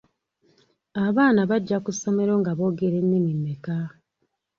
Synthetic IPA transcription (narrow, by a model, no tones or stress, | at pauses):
aβaːnaβaɟːakusomeɾo̞ːŋɡaβo̞ːɡeɾenːimimːeka